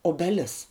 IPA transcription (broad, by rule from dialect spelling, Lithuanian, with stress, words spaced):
oːbʲɛˈlʲɪs